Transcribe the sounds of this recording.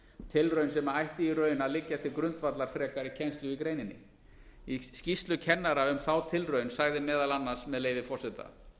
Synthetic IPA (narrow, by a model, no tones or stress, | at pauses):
t̪ʰɪlrœɥnsɛmaajht̪ɪirœɥjnalɪcːḁt̪ʰɪlkɾʏnt̪vat̪laɾ̥fɾɛːkaɾɪcʰɛnst̪lʏikɾeːjnɪnːɪ̰ | iscist̪lʏcʰɛnːaɾaʏmθawt̪ʰɪlrœːɥnsaɣðɪmɛːðalanːḁsmɛðleːjvɪfɔrsɛt̪a̰